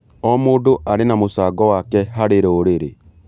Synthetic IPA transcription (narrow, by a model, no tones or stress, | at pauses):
ɔmoːndoʔaɾenamosaːɡɔwakɛɦaɾeɾeoɾeɾe